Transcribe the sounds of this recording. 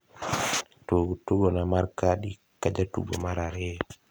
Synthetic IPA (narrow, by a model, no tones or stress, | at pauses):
toɡutːuɡɔnamaɾkaɗi | kad͡ʒatṵɡɔmaɾaɾɛ